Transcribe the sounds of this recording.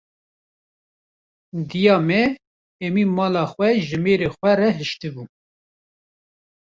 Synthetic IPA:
d̪ijɑːmɛ | ɛmiːmɑːlɑːxwɛʒɨmeːɾexʷɛrɛɦɨʃt̪ɨbu

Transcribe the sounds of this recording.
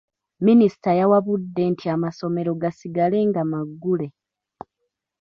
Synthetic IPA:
minisi̥tajawaβudːe̞ntʰiamaso̞me̞ɾo̞ɡasiɡale̞ːŋɡamaɡːule̞

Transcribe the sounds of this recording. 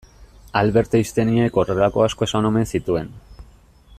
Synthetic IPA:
alβe̞ɾt̪eist̪e̞nieko̞relako̞asko̞e̞sanome̞nsit̪ue̞n

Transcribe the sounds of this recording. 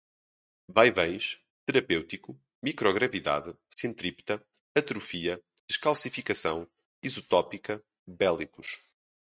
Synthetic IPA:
bajβɐ̃j̃ʃ | t̪ɨɾɐpewt̪iku | mikɾɔɣɾɐviða̰ðɨsẽnt̪ɾipt̪ɐ | ɐt̪ɾufiɐd̪̥ɨʃkalˠsifikɐsɐ̃w̃ | izut̪ɔpikɐ | bɛlˠikuʃ

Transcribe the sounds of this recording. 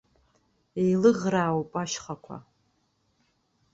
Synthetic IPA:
ejlɨʁraːwpʼaʃχakʷʰa̰

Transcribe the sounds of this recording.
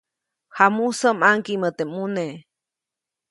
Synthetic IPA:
hamusəmaŋkimət̪emune

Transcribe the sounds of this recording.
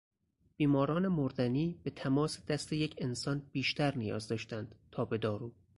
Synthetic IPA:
b̥iːmɒːɾɒːne̞moɾd̪æniːbe̞t̪ʰæmɒːsd̪̥æst̪ejecʰe̞nsɒːnb̥iːʃt̪æɾnijɒ̰ːzd̪ɒːʃt̪ænd̪̥t̪ʰɒːbe̞d̪ɒːɾuː

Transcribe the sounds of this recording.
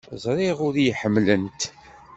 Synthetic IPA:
zˤɾˤiʁʊɾjħəmːlənt̪

